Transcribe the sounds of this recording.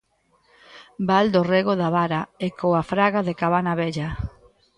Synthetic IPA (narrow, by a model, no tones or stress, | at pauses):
bald̪oreɣoðaβaɾaekoafɾaɣaðekaβanaβɛʎa